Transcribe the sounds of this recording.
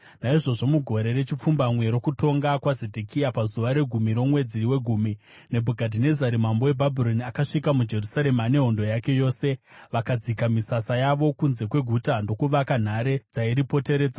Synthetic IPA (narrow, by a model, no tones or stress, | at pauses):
naiʐo̞ʐo̞muɡʱo̞ɾe̞ɾe̞t͡ʃip͡fumbamwe̞ɾo̞kuto̞ŋɡakwazedʱekʰijapazuʋaɾe̞ɡʱumiɾo̞mwe̞d͡ziwe̞ɡʱuːmi | ne̞bʱuɡʱadine̞zaɾimambo̞we̞bʱabʱiɾo̞niakaʂikamud͡ʒe̞rusaɾe̞mane̞ɦo̞ndo̞jake̞jo̞ːse̞ʋakad͡zikamisasajaʋo̞kunze̞kwe̞ɡʱutando̞kuʋakan̤aɾe̞d͡zaiɾipo̞te̞ɾe̞ːd͡za